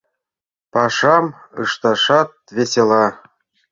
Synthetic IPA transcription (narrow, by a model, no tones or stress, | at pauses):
pɑʂɑm | ɯ̰ʃt̪ɑʂɑt̪̚vʲesʲelˠɑ